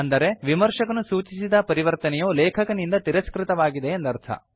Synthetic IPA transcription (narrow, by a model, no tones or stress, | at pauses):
ɐnd̪ɐɾe̞ʋimɐɾʂɐkɐnusuːt͡ʃisid̪ɐpɐɾiʋɐɾt̪ɐnɛjoːlɛːkʰɐkɐnind̪ɐt̪iɾɐskɾɪt̪ɐʋaːɡid̪e̞ːnd̪ɐɾt̪ʰɐ̰